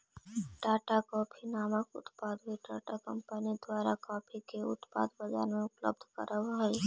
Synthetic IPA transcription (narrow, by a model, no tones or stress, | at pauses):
ɖaːʈakɔːpʰinaːməkʊ̰t̪paːd̪ɦiɖaːʈakɐ̃mpənid̪waːɾakɔːpʰikeʊ̰t̪pa̰ːd̪bəd͡ʒa̰ːɾmẽʊplə̰bd̪ʱkə̰ɾʔəʋɦɛ